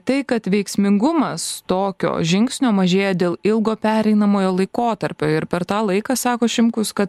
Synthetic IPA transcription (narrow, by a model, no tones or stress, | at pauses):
t̪ɐɪkɐt̪ʋʲɛɪksʲmʲɪŋɡʊmɐst̪oːkʲo̰ːʒʲɪŋʲksʲnʲoːmɐʒʲeːjɛd̪ʲeːlˠɪlˠɡoːpʲæːɾʲɛɪnɐmoːjoːlˠɐɪkoːt̪ɐɾʲpʲoːɪɾpʲɛɾt̪ɑːlˠɐɪkɑːsɑːkoːʃʲɪmkʊskɐt̪